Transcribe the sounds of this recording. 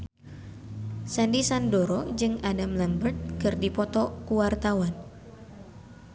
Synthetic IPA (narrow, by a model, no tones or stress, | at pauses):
sandisandoɾɔd͡ʒɨŋadamlɛmbərt̪̚kɨrdipɔt̪ɔkuwart̪awan